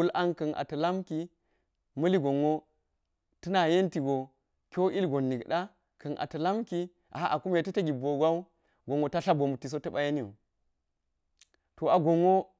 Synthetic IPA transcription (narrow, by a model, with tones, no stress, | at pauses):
u˦lʔa˦nkɐ˨nʔa̰˨tɐ˨la˦mki˨ | mɐ˦li˦ɡo˨ŋːo˦ | tɐ˦na˨je˦nti˨ɡo˨ | kʲo˦i˦lɡo˨nːi˨ɡɗa˦ | kɐ˨nʔa̰˨tɐ˨la˦mki˦ | ʔa̰˨a˦ʔa˨ku˦m˦e˨tɐ˦tɐ˦ɡʲi˨bo˨ɡʷa˦u˦ | ɡo˨ŋo˨ta˦ɬa˦bo˨mu˨tːi˨s̬o˦tɐ˦ɓa˦je˦ni˦o̰˨ | to˨a˨ɡo˨ŋːo˦